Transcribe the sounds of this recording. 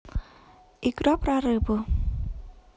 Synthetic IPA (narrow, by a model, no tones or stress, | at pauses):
ikɾɔpɾaɾɨbu